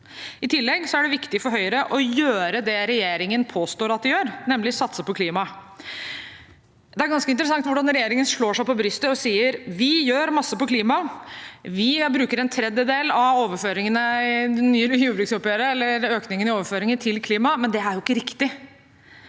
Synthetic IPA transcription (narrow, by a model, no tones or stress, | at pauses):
ɪt̪ʰɪlːɛɡsɔæɖɛʋɪkt̪ɪfɔɾɦœʏəɾəʔɔjøːɾəd̪ɛɾɛjeːɾɪŋənpʰoːst̪oːɾɑt̪̚d̪ɪjøːɾnɛmlɪsɑt̪ːsəpɔkʰliːmɑ | d̪ɛæɾɡɑnskəɪnt̪ɾəsɑŋt̪ʋʊɖɑnɾɛjeːɾɪŋənʂɭoːʂæɪpʰɔbɾʏst̪əɔsiːəɾʋɪjøːɾmɑsːəpɔkʰliːmɑ | ʋɪbɾʉːkəɾɛnt̪ʰɾɛd̪jəd̪eːlɑʋoːʋəɾføːɾɪŋənəɪnyːəjʉːbɾʉksɔpjøɾəɛlːəɾøːknɪŋənɪoːʋəføːɾɪŋənt̪ʰɪlkʰliːmɑmɛnd̪ɛæɾjʊɪkːəɾɪkt̪ɪ